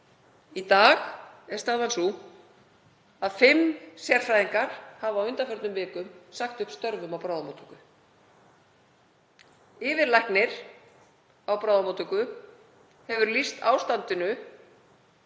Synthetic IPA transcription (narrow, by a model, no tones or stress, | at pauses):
it̪aːxɛ̥st̪aːvansu | aðfɪmsjɛr̥fɾajðiŋkaɾ̥havawʏnt̪afœɾt̪nʏmvɪːkʏmsaxt̪ʏhpst̪œɾvʏmawpɾawðamot̪ʰʏ̥kʏ | ɪːvɪɾlahknɪɾ̥ | awpɾawðamot̪ʏkʏ | hɛvʏɾlist̪awst̪ant̪ɪnʏ